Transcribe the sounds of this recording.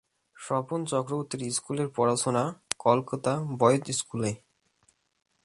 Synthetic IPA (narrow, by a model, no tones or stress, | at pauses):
ʃɔpont͡ɕɔkɾobot̪ːiɾiskuleɾpɔɾaʃonakɔlkot̪abɔjot̪iskule